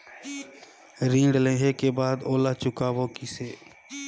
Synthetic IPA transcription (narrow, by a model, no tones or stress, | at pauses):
ɾĩːɳɖlẽɦekebaːd̪oːlat͡ʃʊkaːboːkiseː